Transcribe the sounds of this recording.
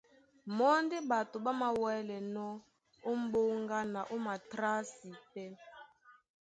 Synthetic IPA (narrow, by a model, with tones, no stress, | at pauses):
mɔ˦n˦de˦ba˨to˨ba˦ma˦wɛ˦lɛ˨nɔ˦ | o˦m̩˦bo˦ŋɡa˦na˨ʔo˦ma˨tɾa˦si˨pɛ˦